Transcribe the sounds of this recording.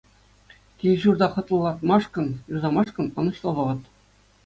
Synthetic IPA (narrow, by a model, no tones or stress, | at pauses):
kʲiʑurd̪ɑχɤ̆t̪ɤ̆lˠːɑt̪mɑʂkɤ̆njuzɑmɑʂkɤ̆nɤ̆nɤ̆ɕt̪ɤ̆lˠʋɤ̆ʁɤ̆t̪